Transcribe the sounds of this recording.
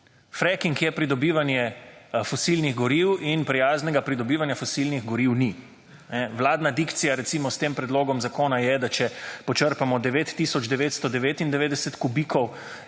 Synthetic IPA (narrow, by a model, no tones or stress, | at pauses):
fɾɛkiŋkjɛpɾid̪ɔbiːʋanjɛfɔsilniɣɡɔɾiwinpɾijaːznɛɡapɾid̪ɔbiːʋanjafɔsilniɣɡɔɾiwni | nɛʋlaːd̪nad̪ikt̪sijaɾɛt̪simɔst̪eːmpɾɛd̪loːɡɔmzakoːnajɛd̪at͡ʃɛpɔt͡ʃəɾpamɔd̪ɛʋeːt̪ːisɔd͡ʒd̪ɛʋeːt̪st̪ɔd̪ɛʋeːt̪ind̪ɛʋeːd̪ɛsɛt̪kubikɔw